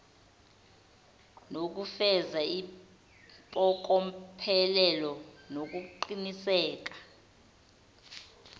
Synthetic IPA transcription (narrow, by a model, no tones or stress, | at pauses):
nok̬ufɛzai | pʼɔk̬ɔpʰɛlɛlɔnok̬uǃinisɛːk̬ḁ